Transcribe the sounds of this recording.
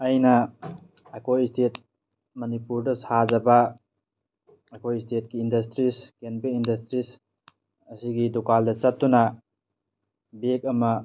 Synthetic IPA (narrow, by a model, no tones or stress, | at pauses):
ɐjnɐː | kojstʰet̚ | mɐnipuɾdɐsad͡ʒɐbɐ | kojstʰet̚kiːndɐs̬tɾiskenbeindɐstɾis | ɐsiɡidukaldɐt͡ʃɐtːunɐ | bek̚ɐmɐ